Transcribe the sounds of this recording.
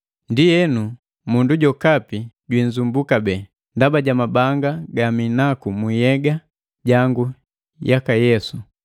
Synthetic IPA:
ndijɛnu | munduɟɔkapi | ɟwiɲzumbukabɛː | ndabaɟamabaŋɡaɡaminakumijɛɡa | ɟaŋɡu | jakajɛsu

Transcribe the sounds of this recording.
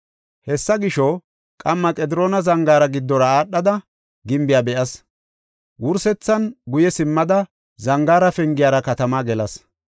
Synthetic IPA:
hɛsːɐɡɪʃɔ | kʼɐmːɐkʼɛd̪ɪɾoːnɐzɐŋɡaːɾɐɡɪd̪ːɔɾɐaːɗːɐd̪ɐ | ɡɪmbɪjaːbɛʔɐs | wʊɾsɛt͡sːɐnɡʊjɛsɪmːɐd̪ɐ | zɐŋɡaːɾɐfɛŋɡɪjaːɾɐkɐt̪ɐmaːɡɛlɐs

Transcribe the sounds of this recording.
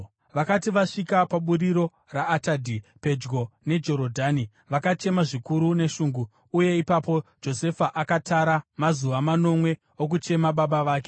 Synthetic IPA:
ʋakatiʋaʂikapaɓuɾiɾo̞ | raːtadʱipe̞d͡ʒɡo̞ne̞d͡ʒo̞ɾo̞dʱaːni | ʋakat͡ʃe̞maʐikuɾune̞ʃuːŋɡuː | je̞ipapo̞d͡ʒo̞se̞faʔakataɾamazuʋamano̞mwe̞ | ok̬ut͡ʃe̞maɓaɓaʋaːke̞

